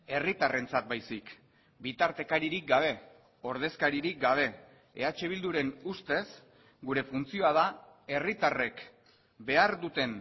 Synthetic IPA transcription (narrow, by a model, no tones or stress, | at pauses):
e̞rit̪are̞nt͡sat̪̚bajsik | bit̪aɾt̪e̞kaɾiɾik̚ɡaβ̞e̞ | o̞ɾð̞e̞skaɾiɾik̚ɡaβ̞e̞ | ḛat͡ʃe̞β̞ild̪uɾe̞nust̪e̞s | ɡuɾe̞funt͡sio̞að̞ae̞rit̪are̞k | be̞aɾðut̪e̞n